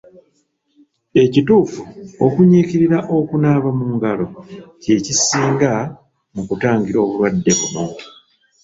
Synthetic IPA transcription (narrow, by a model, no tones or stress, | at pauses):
e̞cituːfuokuɲiːciɾiɾaʔo̞kunaːβamuːŋɡalo̞ce̞cisiːŋɡa | mukutaːŋɡiɾo̞ːβuβwadːe̞βuno̞